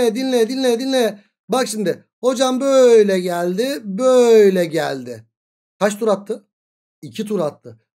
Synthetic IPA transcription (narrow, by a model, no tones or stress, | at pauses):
ɛɛd̪inlʲɛd̪inlʲɛd̪inʲlʲɛɛ | bakʃimd̪ɪ | ho̞d͡ʒambøjlʲɛɟælʲd̪ɪbøjlʲɛɟælʲd̪ɪ | kʰaʃt̪ʰuɾat̪ʰːɯ | icʰit̪ʰuɾat̪ʰːɯ